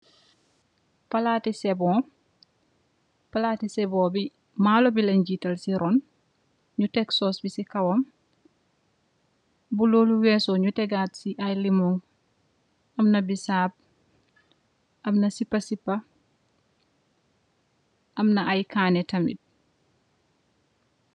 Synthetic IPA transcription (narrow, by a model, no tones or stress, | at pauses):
pɐlaːtisɛbɔ | pɐlaːtisɛbɔːbi | maːlobilɐɲd͡ʒiːtɐlsiɾʔɔn | ɲutɛksɔːsbisikɐwɔm | buloːluwɛːsɔɲutɛɡaːtsiʔɐjlimɔŋ | ɐmnɐbisaːb̚ | ʔɐmnɐsipːɐsipːɐ | ʔɐmnɐajkʰaːnɛtɐmḭt̚